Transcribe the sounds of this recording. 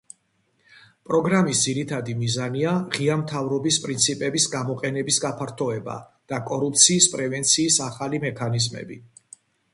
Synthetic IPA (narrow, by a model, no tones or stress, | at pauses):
pʼɾɔɡɾamisd̪ziɾit̪ʰad̪imizaniaʁiamt̪ʰavɾɔbispʼɾint̪sʰipʼɛbisɡamɔqʼɛnɛbisɡapʰaɾt̪ʰɔɛba̰ | d̪̥akʼɔɾupʰt̪sʰiːspʼɾɛvɛnt̪sʰiːsaχalimɛkʰanizmɛ̰bi